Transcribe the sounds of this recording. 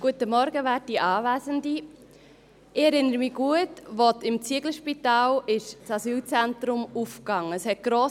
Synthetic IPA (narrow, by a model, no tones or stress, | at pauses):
ɡ̥uətəmɔɾɡəʋæːt̚d̥iːʔɑːvæzəndi | ɪɛɾɪnəɾəmiɡ̥uətʋɔtɪmt͡siəɡl̩ʃpitɑːlɪʃt͡sɑsyːlt͡sɛntɾʊmufkɑŋːəəshɛt̚ɡ̥ɾoː